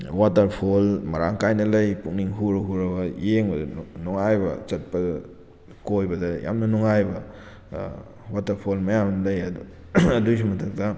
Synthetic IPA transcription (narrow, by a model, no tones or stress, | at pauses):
watɐɾpʰolmɐɾaŋkajnɐlɐjpuŋniŋɦuɾɐɦuɾɐbɐjeŋbɐdɐnuŋajbɐ̰t͡ʃɐt̚pɐ | kojbɐdɐja̰mnɐnuŋajbɐ | watɐɾpʰolmɐjamnɐlɐjɐdu | ɐdus̬imɐtʰɐk̚tɐ